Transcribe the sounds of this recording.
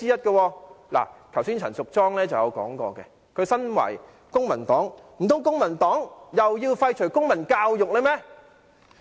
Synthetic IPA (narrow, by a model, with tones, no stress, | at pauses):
iː˥jɐ˥t̚kɐ˧wɔː˧la̰ː˨˩t̪ʰɐ˨˩wsiː˥nt͡sʰɐ˨˩nsʊ˨k̚t͡sɔː˥ŋlɛː˥t͡sɐ˨wjɐ˨˧wkɔ̰ː˨˥ŋkɔ̰ː˧kɛ̰˧ | kʰɵ˨˧ɥsɐ˥nwɐ̰˨˩j | kʊ˥ŋmɐ˨˩nt̪ɔː˨˥ŋm̩˨˩t̪ʊ˨˥ŋkʊ˥ŋmɐ˨˩nt̪ɔː˨˥ŋjɐ˨wjiː˧wfɐ˧jt͡ʃʰɵ˨˩jkʊ˥ŋmɐ˨˩nkaː˧wjʊ˨k̚le˨˧jmɛː˥